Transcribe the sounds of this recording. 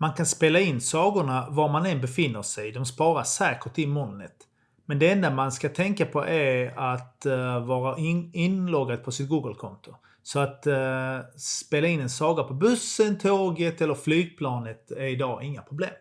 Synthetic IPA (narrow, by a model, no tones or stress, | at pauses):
mankʰanspeːlaɪnːsɑːɡʊɳavaɾmanɛnbɛfɪnːəʂɛjd̪ɔmspɑːɾasæːkəʈɪnmɔnːə̰t̪ | mɛnd̪ɛɛnd̪amanskat̪ʰɛŋkapʰɔʔæɾat̪vɑːɾaʔɪnlɔɡad̪̚pʰɔsɪt̪̚ɡuːɡəlkʰɔnt̪ʊ | sɔat̪ | speːlaɪnːɛnsɑːɡapʰɔbɵsːənt̪ʰoːɡət̪ɛlːəɾflyːɡ̚pʰlɑːnət̪æɾɪd̪ɑːʔɪŋːapʰɾʊblḛːm